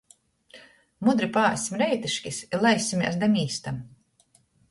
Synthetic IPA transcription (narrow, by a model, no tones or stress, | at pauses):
mud̪ɾipaːsʲimɾɛjt̪iʃkʲisilˠajsʲimʲḭɛsd̪ɛmʲiːst̪am